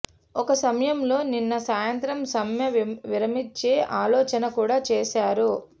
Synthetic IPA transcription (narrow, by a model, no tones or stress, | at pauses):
ɔkɐsɐmɐjɐmlo̞ːninːɐsaːjɐnt̪ɾɐmsɐmjɐʋiɾɐmit͡ʃːeːʔaːlɔːt͡ʃɐnɐkuːɽaːt͡ʃeːsaːɾu